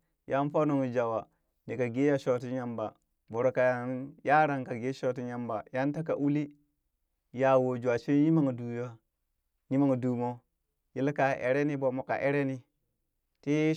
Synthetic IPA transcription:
jʔa˦n˦fa˦no˨ŋi˨d͡ʒa˨wa˨ | ni˨ka˨ɡe˦ja˨ʃo˨ti˦ɲa˦mba˨ | bo˨ɾo˨ka˨ja˦nja˦ɾa˨ŋka˨ɡe˦ʃo˦˨ti˦ɲja˦mba˨ja˦n˦ta˦k̬a˨ʔu˦li˦ | ja˨wo˨d͡ʒu˨a˨t͡ʃi˦nji˦ma˨ŋ˨du˨ja˦ | ji˦ma˨ŋ˨du˨mo˦ | ji˦lka˨ʔḛ˨ɾe˦ni˦bo˨mo˨ka̰˨ʔe˦ɾe˦ni˦ | te˦

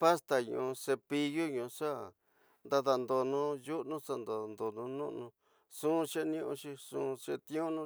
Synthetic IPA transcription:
pa˦st̪a˨ɲṵ̃˨˧se˧pi˧ju˦ɲũ˧ʂa˦ | nd̪a˧ða˧nd̪o˧nũ˧ju˦ʔnũ˦sa˧nd̪o˨nd̪o˨nũ˧nṵ̃˦ʔnũ˧ | sũː˦˧ʃe˦nĩ˦ʔũ˧ʃi˧sũ˧ʂe˧t̪ĩ˦ũ˦nũ˦˧

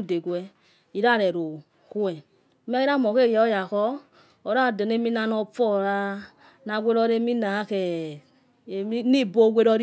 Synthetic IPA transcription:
u˦˨de˨ɡʷwɛ˧ | i˨ɾa˦˨ɾɛ˨ɾo˨ | ku˦ɛ˨˦ | m˦ɛ˦i˦ɾa˦˨mɔ˨ke˦˨jɛ˨ɔ˦ja˨kɔ˦ | ɔ˨ɾa˦˨dɔ˨ne˦mi˦na˧nɔ˧fɔ˦˨ɾa˧ | na˧˨ɡʷe˦ɾɔ˧˦ɾe˦mi˦na˨˦kɛ˨˦ | ni˦˨bo˦ɡʷe˦ɾɔ˧ɾi˦

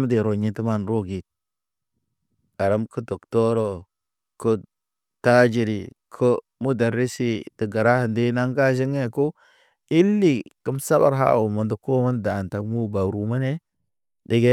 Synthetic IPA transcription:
m˦de˨ɾo˨ɲi˦tə˦ma˦nɾo˦ɡi˨t̚ | ɡa˨ɾə˦mkə˦do˨kto˦ɾo˨ | kə˦ | ta˦d͡ʒi˨ɾi˨kʰo˦ | mu˦da˨ɾi˦si˦tə˨ɡa˨ɾa˦hə˨nde˦na˦ŋɡa˦d͡ʒi˦ŋe˦ko˦ | i˦lːi˨kə˦msa˦ba̰˨ɾɦa̰˦wu˨mə˨ndu˨ko˦mə˦nda˨nta˨kmu˦ba˨ɾu˨ma˦ne˦ | di˨ɡe˦

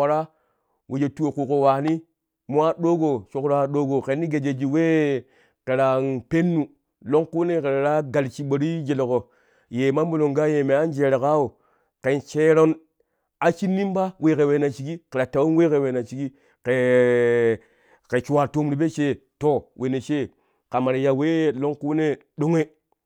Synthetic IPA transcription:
o˨ɾa˦ | wʔe˨d͡ʒe˨tu˦o˨ku˨ko˨wa˨ni˦ | mo˦a˦ɗo˦ɡo˨t͡ʃo˦kɾa˦ɗo˦ɡo˨ke˨ni˦ɡe˨d͡ʒe˨d͡ʒi˨we˦ | ke˨ɾa˨npe˦nːu˨ | lo˦ŋku˦ne˦ke˨ɾa˨ɾa˦ɡa˨lt͡ʃi˨˦ɓo˨ɾi˦d͡ʒe˨lo˨ko˨ | je˨ma˦mbo˦˨lo˨ŋɡa˦je˨me˨a˦n˦d͡ʒe˨ɾe˨ka˦o˨ | ke˨nt͡ʃe˦ɾo˦n | a˨t͡ʃi˦nːi˦mba˦we˨ke˨we˨na˨t͡ʃi˨ɡi˦ke˨ɾa˨ta˨wo˦nwe˦ke˨we˨na˨t͡ʃi˨ɡi˦ | ke˨ | ke˨t͡ʃu˨wa˨to˦mɾi˨be˦t͡ʃe˦to˨wʔe˨ne˨t͡ʃe˦ | ka˨ma˨ɾe˨ja˨we˦lo˦ŋku˦ne˦ | ɗo˦ŋe˦

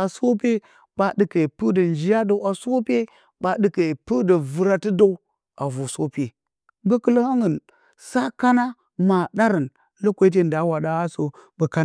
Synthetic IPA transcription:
a˨so˦pe˦ | ɓa˦dɨ˦ke˨pɨ˦də˨nd͡ʒi˦ja˦do˨˦ʔa˨so˦pe˦ | ɓa˨ɗɨ˦ke˨pu˦də˨vɨ˨ɾa˦ti˦do˦u˦ | a˨vo˨so˦pe˨ | ɡə˦kə˦lə˦ha˦ŋə˨n | sa˦ka˦na˦ | ma˨da˦ɾə˨n | lə˦kʷe˦i˦t̬e˦˨n˨da˨˦wa˨ɗa˦a˦so˨bə˨ka˦

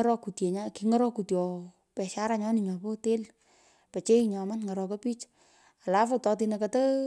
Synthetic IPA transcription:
ɾɔ˦ku˨tje˨ɲakiŋɔ˦ɾɔ˦ku˨tjɔ˨ | pɛ˨ʃa˦ɾaɲɔ˦nɪ˨ɲa˨po˦te˦l | pɛ˨t͡ʃe˦ɲɔ˨ma˦nŋə˨ɾɔ˨ko˦pi˦t͡ʃ | a˨lafotɔ˧t̬inəkatə

